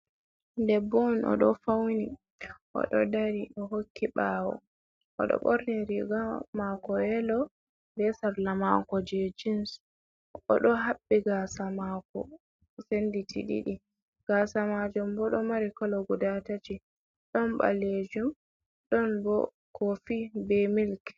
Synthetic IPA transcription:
ndɛbɔnɔ̰ɗɔfawni | ʔɔ̰ɗɔ̰daɾiɗɔɦokʰːiɓawɔ̰ | ʔɔ̰ɗɔ̰ɓɔɾnɛɾiɡamakɔɛlɔ | bɛsaɾlamakɔd͡ʒed͡ʒins | ɔɗɔɦaɓːiɡasamakɔ̰ | senditʰḭɗḭɗi | ɡ̥asamad͡ʒumbɔɗɔmaɾikɔlɔɡudatati | ɗɔnba̰led͡ʒum | ɗɔnbɔ̰ | kʰofibɛmilk

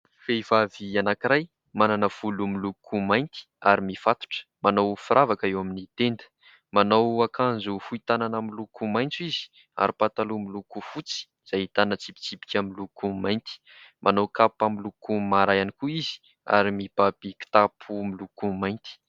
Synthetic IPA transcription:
feivavianakiɾaj | mananəv̥ulumilukʰumajnt̪i̥aɾimifat̪u̥ʈ͡ʂə̥manawfuɾavakəewaminit̪end̪ə̥ | manawakãnzufuit̪ananamilukumajnt͡suizi̥ | a̰ɾipat̪alumilukufut͡si̥ | z̥ajit̪anət͡sipi̥t͡sipi̥kʲamilukumajnt̪i̥ | mʔanowkapamilukumaɾajanikuizi̥ | a̰ɾimibapiki̥t̪apʰumilukumajnt̪i̥

